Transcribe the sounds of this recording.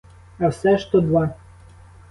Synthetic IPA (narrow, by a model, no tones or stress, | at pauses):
ɐwsɛʃt̪ɔd̪ʋa